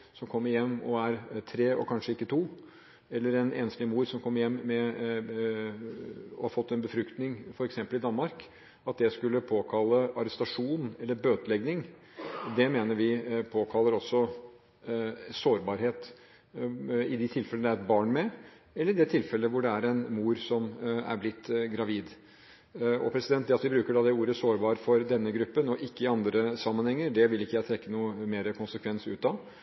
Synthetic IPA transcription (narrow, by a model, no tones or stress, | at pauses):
sɔmkʰɔmːəɾjɛmːɔ̰æɾt̪ʰɾeːɔ̰kʰɑnʂəɪkːət̪ʰuː | ɛlːəɾɛnḛːnslɪmuːɾsɔmkʰɔmːəɾjɛmːɛ | ɔ̰hɑɾfɔt̪ːɛnbəfɾʉkt̪nɪŋfɔɾɛksɛmpəlɪd̪ɑnmɑɾk | ɑt̪̚d̪ɛskʉlːəpʰoːkʰɑlːəɑɾɛst̪ɑʂuːnɛlːəɾbøːt̪əlɛɡnɪŋ | d̪ɛmeːnəɾʋɪpʰoːkʰɑlːəɾɔsːɔ | soːɾbɑːɾheːt̪ | ɪd̪ɪt̪ʰɪlfɛləəd̪ɛæɾɛt̪̚bɑːɳmɛ | ɛlːəɾd̪ɛt̪ʰɪlfɛlːəʋʊɖɛæɾɛnmuːɾsɔmæ̰ɾblɪt̪ːɡɾɑʋiːd̪ | ɔ̰pʰɾɛsɪd̪ɛnt̪̚d̪ɛɑt̪ʋɪbɾʉːkəɖɑd̪ɛuːɾəsoːɾbɑːɾfɔɾd̪ɛnːəɡɾʉpːənɔʔɪkːəɪɑnd̪ɾəsɑmːənhɛŋːəɾɖɛʋɪlɪkːəjæɪt̪ʰɾɛkːənuːəmeːɾəkʰʊnsəkʰʋɛnsʉ̰ːt̪ɑ